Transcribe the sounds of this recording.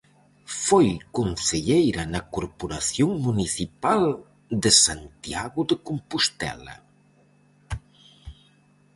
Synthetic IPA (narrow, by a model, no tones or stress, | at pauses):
fojkonseʎejɾɐnɐkoɾpoɾaθjoŋmuniθipal | d̪esant̪iaɣʊðekompust̪ɛ̰lɐ̰